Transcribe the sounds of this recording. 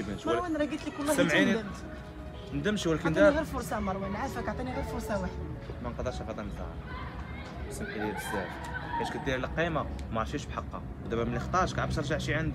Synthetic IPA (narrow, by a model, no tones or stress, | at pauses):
bnʃməɾˤwænɾˤɑɡit̪likʊlːæsəmʕinm | nd̪əmʃwlækənd̪niɣiɾfʊɾˤsˤɑmɑɾˤwænʕafækɑʕt̪ˤiniɣiɾfʊɾˤsˤɑwaħəd̪mænqd̪əɾˤʃqɑd̪ɑnzɑ̰ | səmħilæb̪əsæf | ħæʃkət̪d̪iɾlqimamɑɾˤfiʃbħɑqːɑ̰ | d̪æbæmənlixt̪ˤɑɾˤʃkʕəbsɾˤʒaʕʃiʕand̪